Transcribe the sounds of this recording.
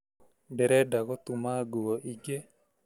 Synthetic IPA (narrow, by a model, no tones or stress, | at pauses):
dɛɾɛdaɣɔt̪umaɡuwɔʔiɡe